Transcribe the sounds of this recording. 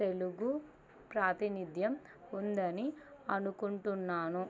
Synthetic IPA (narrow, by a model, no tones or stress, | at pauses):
t̪eluɡu | pɾaːt̪inid̪ʱjɐm | und̪ɐniɐnukuɳʈunːaːnu